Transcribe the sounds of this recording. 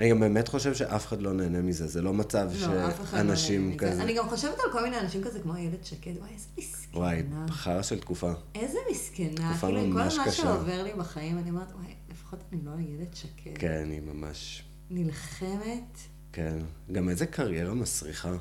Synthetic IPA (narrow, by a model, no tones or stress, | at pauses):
aniɡambemetχo̞ʃevʃeʔafe̥χadlo̞neːnemizezelo̞mat͡savʃoefeχanaʃimkazaniɡamχo̞ʃevetalko̞lmineanaʃimkazekmoajeledʃaketwajez̥emiskwajbnaχaʁaʃeltkufaezemiskentaukfalamkːoaʃakaʃaoveʁlibaχajimaniomeʁet̪wajlefḁχo̞taniloajeledʃakʰekenimama̰ʃ | nilχemet | kenɡamezekʰaʁjeʁamasʁiχa